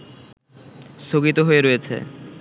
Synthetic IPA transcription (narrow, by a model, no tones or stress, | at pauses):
st̪ʰoɡit̪oɦoeɾojet͡ɕʰḛ